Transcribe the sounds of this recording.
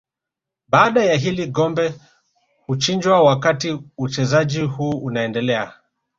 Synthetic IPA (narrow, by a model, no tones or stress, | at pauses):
ɓaːɗajaɦiliɠɔmbɛ | hut͡ʃind͡ʒwawakatiut͡ʃɛzad͡ʒihuːunaɛndɛlɛa̰